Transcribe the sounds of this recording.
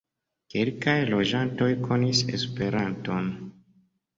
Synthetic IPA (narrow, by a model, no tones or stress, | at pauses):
kelkajlo̞d͡ʒanto̞jko̞nise̞̰spe̞ɾanto̞n